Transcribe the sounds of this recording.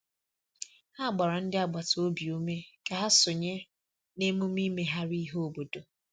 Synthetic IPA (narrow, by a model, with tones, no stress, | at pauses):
ha˦˨ɡ͡ba˨ɾɔ˨n̩˦dɪ˦a˨ɡ͡ba˨to˦bi˨o˦me˦ka˨ɦa˦sʊ˨ɲe˦ | ne˦mu˦mi˦me˦ɦa˦ɾi˦ɦo˦o˦bo˨do˨